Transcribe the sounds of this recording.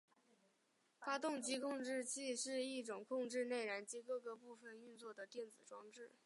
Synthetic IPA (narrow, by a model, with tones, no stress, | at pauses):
fa˥t̪ʊ˥˩ŋt͡ɕi˧˥kʰʊ˥˧ŋʈ͡ʂɻ̩˥˧t͡ɕʰi˥˩˧ʂɻ̩˥˧i˥˩ʈ͡ʂʊ˨˩ŋkʰʊ˥˧ŋʈ͡ʂɻ̩˥˧ne˥˩ɪɻa˧˥nt͡ɕi˧˥kɤ˥˧kɤ˧˥pu˥˩fə˩ny˥˧nt͡swɔ˥˩d̪ə˩t̪jɛ˥˩nt͡sɹ̩˨˩ʈ͡ʂwɑ˥ŋʈ͡ʂɻ̩˥˩